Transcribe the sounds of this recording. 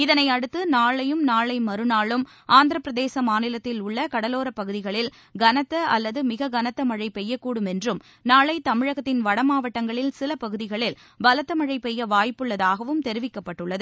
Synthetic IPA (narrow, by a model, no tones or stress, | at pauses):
ɪðɐnɐɪɐɽɯt̪ːɯnaːɭɐjɯmnaːɭɐɪmɐɾɯnaːɭɯm | ʔaːnd̪ɯɾɐpɾɐðeːsɐmaːnɪlɐt̪ːɪlʊɭːɐkɐɽɐloːɾɐpːɐɣɯðɪɣɐɭɪl | ɡɐnɐt̪ːɐɐlːɐðɯmɪɣɐɡɐnɐt̪ːɐmɐɻɐɪpɛjːɐkːuːɽɯmɛndrɯm | naːɭɐɪt̪ɐmɪɻɐɣɐt̪ːɪnʋɐɽɐmaːʋɐʈːɐŋɡɐɭɪlsɪlɐpɐɣɯðɪɣɐɭɪl | bɐlɐt̪ːɐmɐɻɐɪpɛjːɐʋaːjpːɯɭːɐðaːɣɐʋɯmt̪ɛɾɪʋɪkːɐpːɐʈːɯɭːɐðɯ